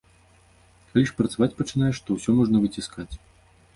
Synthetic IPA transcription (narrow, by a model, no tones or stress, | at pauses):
kʰalʲiʂpɾɐt̪savat͡sʲpɐt͡ʂɨn̪ajɛʂt̪ɔwsʲɔmɔʐnɐvɨt͡sʲiskat͡sʲ